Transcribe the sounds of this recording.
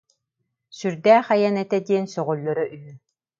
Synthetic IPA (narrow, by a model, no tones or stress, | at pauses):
syɾd̪æːχajɛnɛt̪ɛd̪iɛnsɔʁɔlːɔɾɔʔyy